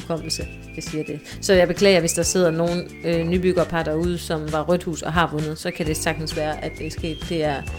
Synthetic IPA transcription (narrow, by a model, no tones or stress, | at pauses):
kʰɒ̽m̰l̩sə | d̥ɑsiːɐd̥e̝ | sɒ̽jɑ̈ɪb̥e̝kʰlɛ̰ːɪɐʋe̝sd̥ɑ̈se̝ð̰ˠɐno̝ːn̩ | ønyb̥yɡ̥ɐpʰɑ̈d̥ɑuð̞̰ˠsɒ̽mʋɑ̈ʁœd̥hṵːsɒ̽ɦɑ̈ʋɔ̽nð̩ˠsɒ̽kʰæd̥e̝sɑ̈ɡ̥̚d̥n̩sʋæːɐʔæd̥ːesɡ̥e̝̰ːd̥ːe̝æɐ